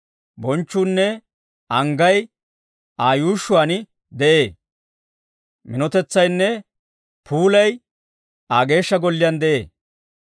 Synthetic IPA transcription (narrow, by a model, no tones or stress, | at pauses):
bɔnt͡ʃːuːnːɛ | ʔɐŋɡɐj | aːjuːʃːʊwaːnɪ | d̪ɛʔeː | mɪnɔt̪ɛt͡sːɐjnːɛ | pʰuːlɐj | aːɡe̞ːʃːɐɡɔlːɪjɐnd̪ɛʔeː